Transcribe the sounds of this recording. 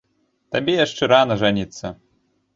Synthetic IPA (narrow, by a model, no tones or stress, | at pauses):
t̪abʲɛjaʂt͡ʂɛɾanɐʐanʲit̪sːɐ